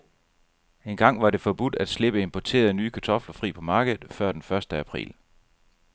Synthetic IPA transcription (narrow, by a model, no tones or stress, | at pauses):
e̝nɡ̥ɑ̈ŋ̰ʋɑ̈ɾe̝fɒ̽b̥ud̥æd̥sle̝b̥əe̝mpʰɒt͡sʰe̝̰ːɐðˠnyːkʰæt͡sʰɒ̽flɐfʁḭːpʰɒ̽mɑ̈ːɡ̥ð̩ˠfɶɐ̰d̥enfɶɐsd̥əæpʰʁḭːl